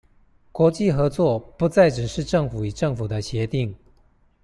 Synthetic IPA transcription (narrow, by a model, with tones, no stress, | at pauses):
kwɔ˧˥t͡ɕi˥˨xɤ˧˥t͡swɔ˥˩pu˧˥t͡sa˥˩ɪʈ͡ʂɻ̩˨˩ʂɻ̩˥˧ʈ͡ʂɤ˥˩ŋfu˨˩i˨˩ʈ͡ʂɤ˥˩ŋfu˨˩d̪ə˦ɕjɛ˧˥t̪i˥˩ŋ